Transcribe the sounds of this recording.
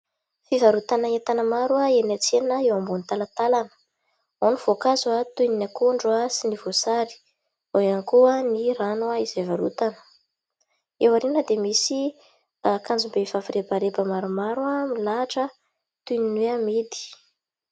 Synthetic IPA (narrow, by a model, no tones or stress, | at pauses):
fivaɾut̪anəet̪anəmaɾuaenat͡senəewambunit̪alat̪alanə̥ | onuv̥okazuat̪uninakoɳɖ͡ʐuasiniv̥osaɾi̥ | oankuaniɾanuaizevaɾṵt̪anə̥ | ewaɾinəd̪emisi | akand͡zumbevaviɾebaɾebəmaɾumaɾuamilaʈ͡ʂə | t̪uninweamed̪i̥